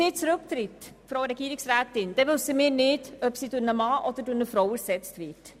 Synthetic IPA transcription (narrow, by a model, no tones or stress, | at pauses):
ɪːt͡sɾɵkt̪ɾɪt | fɾoʊɾɛɡiːɾiksɾæːtɪnd̥ɛvølsəmɪːɾnɪdœpsidʊɾnəmɑːʔɔd̥̪ədʊɾnəfɾɔwəɾsɛt͡stvɪt